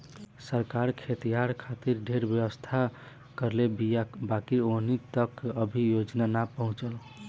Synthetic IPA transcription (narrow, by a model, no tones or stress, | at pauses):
səɾkaɾkʰet̪ijaɾkʰat̪iɾɖʱeɾbjəwəst̪ʰa | kəɾlebijabakionit̪əkəbʱijod͡ʒnanapəɦũt͡ʃəl